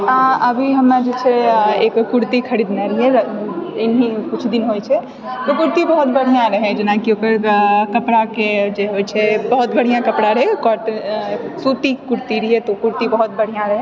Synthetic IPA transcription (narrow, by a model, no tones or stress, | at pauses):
ãəbʱiɦəmnad͡ʒet͡ʃʰɛekːuɾt̪ikʰəɾid̪neɾəɦɛ | enɦikut͡ʃʰd̪inɦojt͡ʃʰɛ | t̪okuɾt̪ibəɦut̪bəɽ̤ijãɾəɦɛ̃d͡ʒenakiokəɾkəpɽaked͡ʒeɦojt͡ʃʰɛbəɦut̪bəɽ̤ijãkəpɽaɾəɦɛkɔɾ | sut̪ikuɾt̪iɾiɦɛt̪okuɾt̪ibəɦut̪̚bəɽ̤ijãɾəɦɛ̃